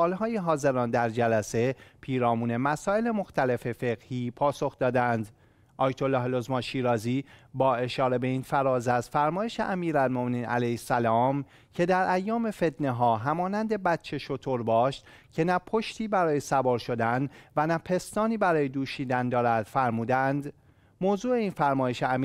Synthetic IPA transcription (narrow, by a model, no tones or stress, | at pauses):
sʔɒːlɦɒːjeɦɒːze̞ɾɒːnd̪æɾd͡ʒælæse̞pʰiːɾɒːmuːne̞mæsɒːe̞le̞mo̞xt̪ʰæle̞fe̞fe̞ɣ̥hiːpʰɒːso̞xd̪ɒːd̪ænd̪ | ʔɒːjt̪ʰolːɒːhlozmɒnʃiːɾɒːziːbɒːe̞ʃɒːɾe̞be̞iːnfæɾɒːzæz̥fæɾmɒːjeʃe̞ʔæmiːɾælmomeniːnʔæ̰læjhsælɒːm | cʰe̞d̪æɾʔæjːɒːme̞fe̞t̪ʰneɦɒːɦæmɒːnænd̪e̞bæt̪t͡ʃʰe̞ʃot̪ʰoɾbɒːʃt̪ | cʰe̞næpʰoʃt̪iːbæɾɒːje̞sæbɒːɾʃo̞d̪ænvænæpʰe̞st̪ɒːniːbæɾɒːje̞d̪uːʃiːd̪ænd̪ɒːɾæd̪̥fæɾmuːd̪ænd̪ | moːzuːe̞iːnfæɾmɒːje̞ʃeæi